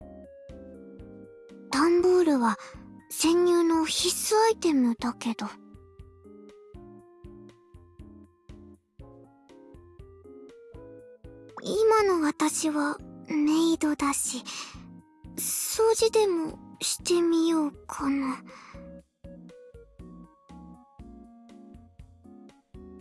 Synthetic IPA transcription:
t̪ãmboːɾɯ̟βasẽ̞ɲ̟ːɨːno̞çisɨait̪e̞mɯ̟d̪ake̞d̪o̞ | imano̞βat̪aɕiβame̞id̪o̞d̪aɕi | soːʑid̪e̞mo̞ɕi̥t̪e̞mʲijoːkʰano

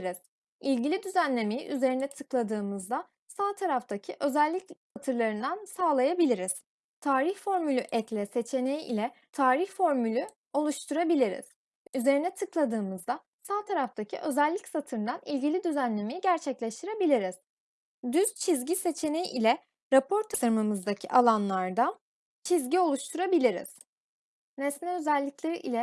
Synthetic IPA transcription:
ɾiz̥ | ilʲɟilʲid̪yzænlʲe̞mejḭʔyze̞ɾinɛt̪ʰɯklˠad̪ɯːmɯzd̪a | saːt̪ʰaɾaft̪ʰacʰiʔø̞zælʲːicsat̪ʰɯɾlˠaɾɯnd̪ansaːlˠajabilʲiɾiz̥ | t̪ʰaːɾiçfo̞ɾmylʲyʔɛclʲɛse̞t͡ʃʰe̞nejiilʲɛ | t̪ʰaːɾiçfo̞ɾmylʲy | o̞lˠuʃt̪ʰuɾabilʲiɾḭz̥ | yze̞ɾinɛt̪ʰɯklˠad̪ɯːmɯzd̪a | saːt̪ʰaɾaft̪ʰacʰḭʔø̞zælʲːicsat̪ʰɯnd̪anilʲɟilʲid̪yzænlʲemejiɟæɾt͡ʃʰɛclʲɛʃt̪ʰiɾe̞bilʲiɾiz̥ | d̪yz̥t͡ʃʰizɟise̞t͡ʃʰe̞nejiʔilʲɛ | ɾapʰo̞ɾt̪ʰasɯɾmɯmɯzd̪acʰiʔalˠanlˠaɾd̪an | t͡ʃʰizɟio̞lˠuʃt̪ʰuɾabilʲiɾḭz̥ | nɛsnʲɛø̞zælʲːiclʲe̞ɾiʔilʲɛ

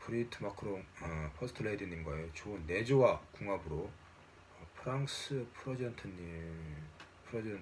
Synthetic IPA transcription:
puɾitʰɯmakʰɯɾoŋʌpʰosʰtʰɯɭːedɯɲimɡaejot͡ɕonːed͡ʑowakoŋɦabɯɾo | ʌpʰɯɾaŋsɯpʰuɾʌd͡ʑʌntʰɯɲi | pʰɾʌd͡ʑn

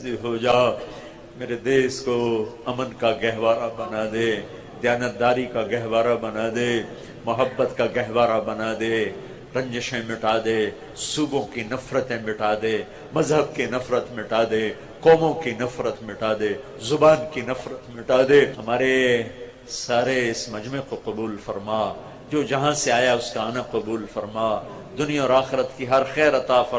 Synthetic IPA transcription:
iɦoːd͡ʒaː | meːɾed̪eːskoɐmənkaɡɛɦʋaːɾabɐnaːd̪eː | d̪jaːnət̪̚d̪aːɾikaɡɛɦʋaːɾabɐnaːd̪eː | mɐɦəbːət̪kaɡɛɦʋaːɾabɐnaːd̪eː | ɾɐ̃ɲd͡ʒəʃẽmɪʈaːd̪eː | suːbõkinɐfɾət̪ẽmɪʈaːd̪eː | mɐzɦəbkinɐfɾət̪mɪʈaːd̪eː | kɔːmõkinɐfɾət̪mɪʈaːd̪eː | zʊbaːnkinɐfɾət̪mɪʈaːd̪eːhɐmaːɾe | saːɾeɪsmɐd͡ʒmẽkoqɐbuːlfɐɾmaː | d͡ʒoːd͡ʒɐɦãseaːjaʊskaaːnaqɐbuːlfɐɾmaː | d̪ʊnijãɔːɾaːxɪɾət̪kiɦɐɾxɛːɾɐt̪aːfɐ

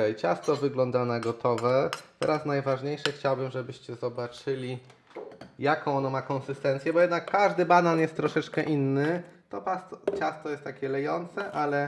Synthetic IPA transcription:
ɛjt͡ɕast̪ɔvɘɡlɔnd̪anaɡɔt̪ʰɔvɛt̪ɛ̰ɾasnajvaʐɲejʂɘxt͡ɕawbɘmʐɛbɘɕt͡ɕɛzɔbat͡ʂɘlʲi | jakɔ̃w̃ɔnɔmakɔnsɘst̪ɛnt̪sʲjɛbɔjɛd̪nakːaʐd̪ɘbananjɛst̪ːɾɔʂɛt͡ʂkɛʔinːɘt̪ɔpast̪ɔt͡ɕast̪ɔjɛst̪ːakʲɛlɛjɔnt̪sɛʔalɛ

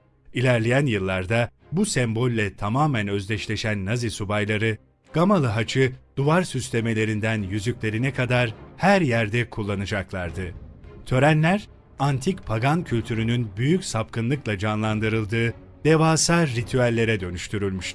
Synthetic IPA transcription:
ilʲæɾlʲejænjɯlˠːaɾd̪a | busɛmbo̞lʲːɛt̪ʰamaːmænø̞zlʲɛʃlʲe̞ʃænːazisubajlˠaɾɯ | ɡ̥amalˠɯɦat͡ʃʰɯd̪̥uvaɾsyst̪ʰe̞me̞lʲe̞ɾind̪ænjyzycʲlʲe̞ɾinɛkʰad̪aɾhæɾjæɾd̪ɛkʰulˠːanɯd͡ʒaklˠaɾd̪ɯt̪ʰø̞ɾænlʲæɾ | ant̪ʰicpʰaɡancʰylʲt̪ʰyɾynynbyjycsapkʰɯnlˠɯklˠad͡ʒanlˠand̪ɯɾɯlˠd̪ɯː | d̪̥evaːsaɾːit̪ʰyalʲːe̞ɾɛd̪ø̞nyʃt̪ʰyɾylʲmyʃt̪

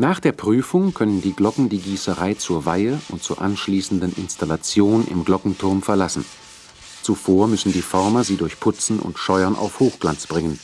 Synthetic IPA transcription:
naːχd̥eːɐpʁ̥yːfʊŋkʰœnəndiːɡlɔkŋ̩diːɡiːsəʁaɪt͡suːɐvaɪəʊntt͡suːɐʔanʃliːsn̩dənʔɪ̰nstalat͡sjoːnʔɪ̰mɡlɔkŋ̩tʰʊɐmfɛɐlasn̩ | t͡sufoːɐmʏsn̩diːfɔɐmɐziːdʊɐçpʰʊt͡sn̩ʔʊ̰ntʃɔʏɐnʔa̰ʊfhoːxɡ̥lant͡sb̥ʁɪŋən

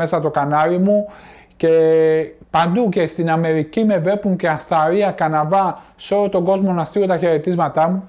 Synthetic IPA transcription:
e̞sɐt̪o̞kɐnɐɾimu | ce̞ | pɐnd̪uce̞st̪inɐme̞ɾicime̞ve̞puŋce̞ɐst̪ɐɾiɐkɐnɐvɐ | seo̞lo̞t̪o̞ɡo̞zmo̞nɐst̪io̞t̪ɐçe̞ɾe̞t̪izmɐt̪ɐmu

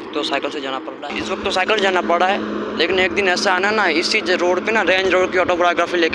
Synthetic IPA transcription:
t̪osaːɪkəlsed͡ʒaːnapɐɽɾaɦɛɪsʋɐk̚t̪ːosaːɪkəlsed͡ʒaːnapɐɽɽaɦɛleːkɪneːk̚d̪ɪnɛːsaaːnanaɦɛɪst͡ʃiːd͡ʒɾoːɽpenaɾẽːɲd͡ʒɾoːɽkiɔːʈoːpɾajoɡɾaːfileːk

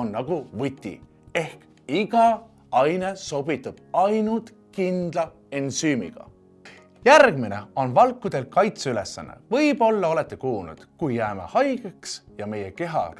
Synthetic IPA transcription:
onːɑɡ̥uvɯt̪ʲːḭ | e̞hk | iɡ̥ɑ | ɑjne̞so̞b̥it̪ːˑɑb̥ɑjnult̪ | kind̪̥lɑ | ensyːmḭɡ̥ɑ̰ | jærɡ̥mine̞o̞nvɑlkːˑud̪̥e̞lkɑjt̪seyle̞sːɑ̰nːḛvɤjb̥o̞lːɑo̞le̞t̪ːˑekuːlnṵd̪̥kujːæːme̞̰hɑjɡ̥eksjɑme̞je̞ke̞ɦɑ̰

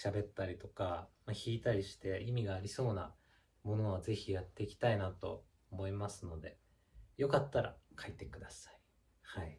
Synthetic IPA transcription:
ɕabe̞t̪ːaɾʲit̪o̞kamaçiːt̪aɾʲiɕi̥t̪e̞imʲiɡaːɾʲiso̞ːna̰ | mo̞no̞βaze̞çijat̪ːe̞ikʲi̥t̪ainat̪o̞̰ | omo̞imasɨno̞d̪e̞ | jo̞kat̪ːaɾa̰kʰait̪e̞kɯ̟d̪asḁi̥ | hai

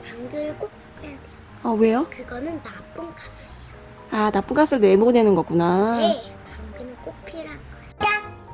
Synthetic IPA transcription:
paŋɡɯɭk͈ok̚pk͈ɯjadejoʌwe̞jokɯɡʌnɯnːap͈unkasʰejo | anap͈unk͈as͈ʰɯɭnwe̞monwe̞nɯnɡʌk͈una | paŋɡɯnɯk͈ok̚pʰiɾanɡʌeda

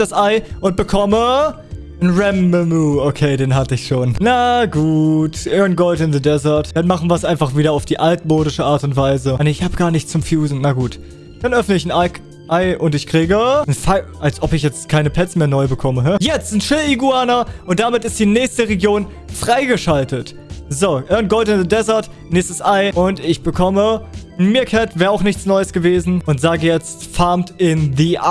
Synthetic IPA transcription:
d̥asʔaɪʔʊnt̚b̥əkʰɔmə | nʁɛmːɛmuokʰeːdeːnɦatəɪçʃoːnnaɡuːtʔɛnɡoltɪnðədɛzɐɐtd̥anmaχn̩viːɐsʔaɪnfaχv̥iːɾɐaʊfd̥iːʔaltmoːɾɪʃəʔaːɐtʊntv̥aɪzəneɪçhaːbəɡ̥aːɐnɪçt͡sʊmfjuːzn̩naɡuːt | d̥anʔœfnəɪçn̩aɪ | ʔaɪʔʊntɪçkʁ̥iːɡənfaɪ | alsʔɔpɪçjɛt͡stkʰaɪnəpʰɛt͡smeːɐnɔʏbəkʰɔməɦɛjɛt͡stn̩ʃɪliɡuaːnɐʔʊnt̚d̥amɪtɪstd̥iːnɛːçstəʁeɡjoːn | fʁ̥aɪɡəʃaltət | zoʔɛnɡ̥ɔltɪnðədɛzɐɐt | nɪːstəsʔaɪʔʊntɪçb̥əkʰɔmən̩miːɐkʰɛtv̥ɛːɐaʊxnɪçt͡snɔʏəsɡ̥əveːzn̩ʊntz̥aːɡəjɛt͡stfaɐmtɪnðiːʔ

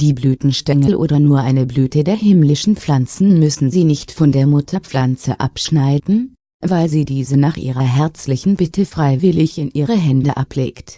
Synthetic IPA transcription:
d̥iːblyːtn̩ʃtɛŋəlʔo̰ːdɐnuːɐʔaɪnəblyːtədeːɐɦɪmlɪʃn̩p͡flant͡sn̩mʏsn̩ziːnɪçtfɔndeːɐmʊtʰɐfl̥ant͡sə̰ʔa̰pʃnaɪdn̩ | vaɪlziːdiːzənaːχʔḭːʁɐɦɛɐt͡slɪçn̩bɪtʰəfʁ̥aɪvɪlɪçɪnʔiːʁ̞əɦɛndəʔapʰlḛːkt

